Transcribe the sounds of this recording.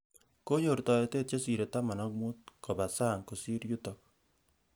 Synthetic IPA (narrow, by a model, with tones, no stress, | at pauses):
ko˦jo˨rtɔ˨je˨te˦˨t̚t͡ʃo˦si˨ɾe˨ta˦ma˨nɔ˦k̚mu˦t̚ko˨ba˨saː˦˨ŋko˨si˦ɾju˦tɔ˨k̚